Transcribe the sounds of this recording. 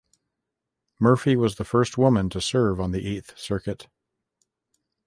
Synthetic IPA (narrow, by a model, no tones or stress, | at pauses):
mɜ˞fiwʌzðəfɜ˞st̚wʊmə̃ntʰɨsɜ˞ṽn̩ðiʔeθsɜ˞kɨt